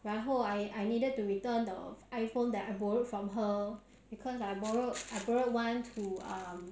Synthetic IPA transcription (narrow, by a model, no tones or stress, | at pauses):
ɹaɦoajajnidəd̚tuɹitə̃ndə̰ʔajfõndɛtaɪbɔɹtfɹɔ̃mɦə | b̥ikʰɔsajbɔɹotajbɔɹət̚wãntʰuʌ̃m